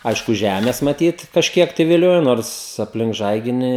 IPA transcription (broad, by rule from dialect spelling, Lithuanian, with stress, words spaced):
ˈɐɪʃkʊ ˈʒʲæːmʲeːs mɐˈtʲiːt kɐʃʲˈkʲiɛk tɐɪ ʋʲɪˈlʲoːjoː ˈnoːrs ɐpʲˈlʲɪŋk ˈʒɐɪɡʲɪnʲiː